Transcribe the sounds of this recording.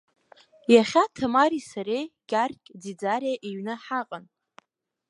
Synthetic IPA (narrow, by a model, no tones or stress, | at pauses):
jaχʲatʰamaɾisaɾejɡʲarkʲʼd͡zid͡zaɾaʔiɥnɨħaqʼan